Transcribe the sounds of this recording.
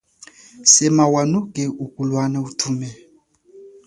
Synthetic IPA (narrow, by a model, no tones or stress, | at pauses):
sɛmawanukʼɛukʼulwanautʰumɛ